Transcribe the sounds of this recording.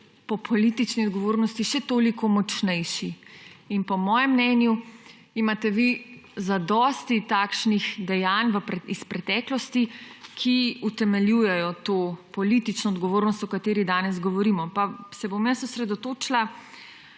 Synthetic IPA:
pɔpʰɔlit̪it͡ʃniɔd̪ɡɔʋoːɾnɔst̪iʃɛt̪oːlikʰɔmɔt͡ʃnɛjʃiinpɔmɔːjɛmːnɛnju | imat̪ɛʋizad̪ɔst̪it̪aːkʃnixd̪ɛjanʋəpɾɛispɾɛt̪ɛklɔst̪ikʰiut̪ɛmɛljuːjɛjɔt̪oːpɔlit̪it͡ʃnɔːd̪ɡɔʋoːɾnɔst̪ɔkat̪eːɾid̪aːnɛz̬ɡɔʋɔɾimɔpasɛbomjasusɾɛd̪ɔt̪oːt͡ʃla

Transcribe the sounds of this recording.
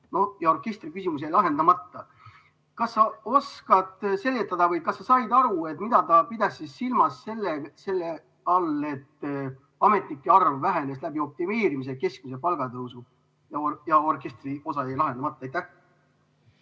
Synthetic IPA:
nojɑo̞rke̞st̪rikysimus̬ejlɑɦe̞nd̪̥ɑmɑt̪ːɑ | kɑsːɑo̞skɑt̪ˑse̞lːet̪ːˑɑd̪̥ɑvɤjkɑsːɑsɑjd̪̥ɑɾue̞t̪ːˑmid̪̥ɑt̪ɑpid̪̥ɑsisːilmɑsːe̞lːese̞lːe | ɑle̞t̪ː | ɑme̞t̪ˑnikːˑeɑrvːæɦe̞ne̞slæb̥io̞p̚t̪ime̞ːɾimis̬eke̞skmus̬e̞pɑlɡ̥ɑd̪ɤusu | jɑjɑo̞rke̞st̪rio̞sɑejlɑɦe̞nd̪ɑmɑt̪ːˑɑɑjt̪ːæh

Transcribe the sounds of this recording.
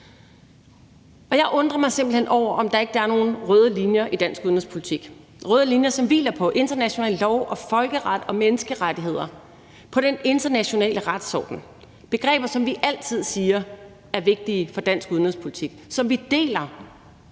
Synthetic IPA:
ɒ̽jɑ̈ɪʔɔ̽nd̥ʁɐmɑ̈ɪse̝m̰b̥l̩henʔɒʊ̰ɐʔɒ̽md̥ɑ̈e̝ɡ̥əd̥ɑ̈æɐno̝ːn̩ʁœːð̞ˠəlinjɐʔid̥æn̰sɡ̥uðˠnhḛspʰo̝lit͡sʰiɡ̥ | ʁœːð̞ˠəlinjɐsɒ̽mʋḭːlɐpʰɒ̽ʔe̝nd̥ɐnæɕo̝nɛ̰ːllɒʊʔɒ̽fɒ̽lɡ̥əʁɑd̥ɒ̽menəsɡ̥əʁad̥iɦe̝ð̞̰ˠɐ | pʰɒ̽ɾ̥ene̝nd̥ɐnæɕo̝nɛ̰ːləʁad̥sɒ̰ːd̥n̩ | b̥e̝ɡ̥ʁɛ̰ːb̥ɐsɒ̽mʋiʔæl̰t͡sʰið̞̰ˠsiːɐ | æɐʋe̝ɡ̥̚d̥iːfɒ̽d̥æn̰sɡ̥uðˠnhespʰo̝lit͡sʰiɡ̥sɒ̽mʋid̥e̝̰ːlɐ

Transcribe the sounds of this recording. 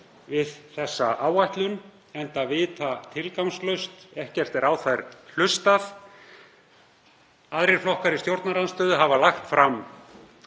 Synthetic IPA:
vɪðθɛsːaʔaːwajht̪lʏn | ɛnt̪avɪːt̪ʰat̪ʰɪlkawmslœɥst̪ɛhcɛr̥t̪ɛɾawθajɾ̥l̥ʏst̪aθ | aðɾɪɾ̥flɔhkaɾɪst̪jowɾt̪naɾanst̪œːðʏɦavalaxt̪fɾam

